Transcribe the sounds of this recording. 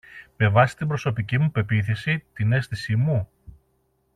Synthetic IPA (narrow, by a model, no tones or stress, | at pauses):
pe̞vɐsi̥t̪imbɾo̞so̞picimupe̞piθisit̪ine̞sθisimu